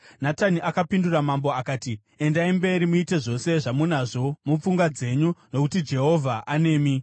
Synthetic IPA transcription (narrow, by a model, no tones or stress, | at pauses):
nataniʔakapinduramamboakaːti | e̞ndaimbe̞ɾimuite̞ʐo̞se̞ʐamunaʐo̞mup͡fuŋɡwad͡ze̞ɲuno̞kutid͡ʒe̞ɦo̞vʱaʔane̞ːmi